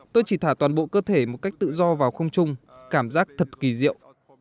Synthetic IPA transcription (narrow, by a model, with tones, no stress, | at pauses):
t̪o˧jt͡ɕi˧˩t̪ʰaː˧˩t̪waː˨˩nɓo̰˧˨kəː˧t̪ʰe˧˩mo˨˩t̚ka˦˥jk̟̚t̪ɨ̰˧˨zɔ˧vaː˨˩wxə˧wŋ͡mt͡ɕʊ˧ŋ͡mkaː˧˩mzaː˦˥k̚t̪ʰə˨˩t̚ki˨˩zḭ˧˨əwʔ